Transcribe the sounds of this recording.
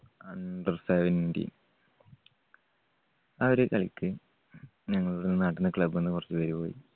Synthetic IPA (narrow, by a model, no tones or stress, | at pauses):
ɐnɖɐrseʋɐnndḭ | ɐʋɐɾekɐɭikʲːɨ | ɲɐŋːɐɭuɽenːɨnɐʈːinːɨkɭɐbɨenːɨkurɐt͡ɕːɨʋɐɾupo̞ːjḭ